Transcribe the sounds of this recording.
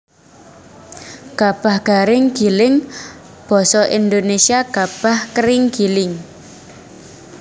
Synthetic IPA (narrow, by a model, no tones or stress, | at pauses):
ɡ̥a̤b̥a̤hɡ̥aɾɪŋɡ̥ilɪŋ | b̥ɔ̤sɔʔind̪onesiaɡ̥ab̥a̤hkəɾɪŋɡ̥ilɪŋ